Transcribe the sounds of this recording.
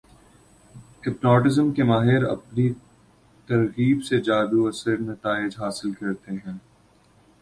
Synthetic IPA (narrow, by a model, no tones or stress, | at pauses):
ɪpnɔːʈɪzəmkemaːɦɪɾɐ̰pni | t̪ɐɾɣiːbsed͡ʒaːd̪uɐsəɾnɐt̪aːɪd͡ʒɦaːsɪlkɐɾt̪eɦɛ̃ː